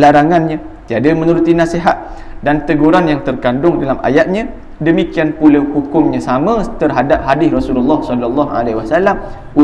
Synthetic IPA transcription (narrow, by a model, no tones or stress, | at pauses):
laɾaŋanɲã | t̪iadamə̃nuɾut̪inaseɦat̪̚ | dant̪əɡuɾanjaŋt̪ərkandʊŋdalamʔa̰jat̪̚ɲã | dəmikianpulawpukʊŋɲãsamə̃t̪ərɦadap̚ɦadɪsrɔsululːɑhsɔlɔlːɔha̰leiwasalam | u